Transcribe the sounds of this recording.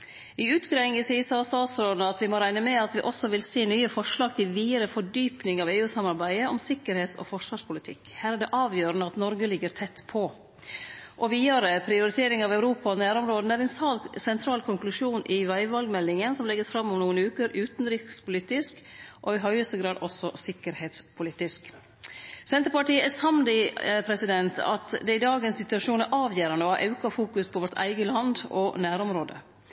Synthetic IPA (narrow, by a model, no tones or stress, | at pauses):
ɪʉːt̪ɡɾɛŋəsiːsɑst̪ɑːt̪sɾoːd̪nəɑt̪ʋɪmɔɾæɪnəmɛɑt̪ʋɪʔɔsɔʋɪlseːnyːəfɔʂɭɑːɡ̚t̪ʰɪlʋiːəɾəfɔɖyːpnɪŋɑʋeːʉːsɑmɑɾbæɪəʔɔmsɪkːəɾheːt̪sɔ̰fɔʂʋɑːʂpʰʊlɪt̪ʰɪkːhæːɾæɖɛʔɑːʋjøːɾənəɑt̪nɔɾɡəlɪɡːəɾt̪ʰɛt̪ːpʰɔ | ʔɔʋiːɑɾəpʰɾɪʊɾɪt̪ʰeːɾɪŋɑʋæʉɾuːpɑɔnæːɾɔmɾoːd̪næɾɛnsɑːlsɛnt̪ʰɾɑːlkʰɔŋklʉʂuːnʔɪʋæɪʋɑlɡmɛlːɪŋənsɔmlɛɡːəsfɾɑmːɔmnuːənʉːkəɾʉːt̪nɾɪspʊlɪt̪ɪsk | ʔɔɪɦœʏəst̪əɡɾɑːd̪ɔsːɔsɪkəɾheːt̪spʰʊlɪt̪ɪsk | sɛnt̪əɾpɑʈiːəæsɑmd̪ɪpʰɾɛsɪd̪ɛnt̪ʰɑ̰t̪d̪ɛɪd̪ɑːɡəɛnsɪt̪ʉɑʂuːnæɾʔɑːʋjeːɾɑnəɔhɑɾʔɑ̰ʉkɑfuːkʉspʰɔʋɔʈæ̰ɪɡəlɑnd̪ɔnæːɾɔmɾoːd̪ə̰